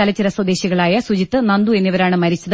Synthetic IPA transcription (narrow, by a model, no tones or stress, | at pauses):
ɐlɐt͡ɕːiɾɐswɐd̪e̞ːɕiɣɐɭaːjɐsud͡ʑit̪ːɨnɐnd̪ue̞nːiʋɐɾaːɳɨmɐɾit͡ɕːɐðɨ